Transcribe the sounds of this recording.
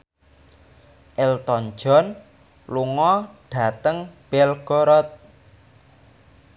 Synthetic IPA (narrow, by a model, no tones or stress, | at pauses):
ʔɛlt̪ɔn̥d͡ʒɔ̤n | luŋɔɖ̥a̤t̪əŋb̥ɛlɡ̥ɔɾɔt̪̚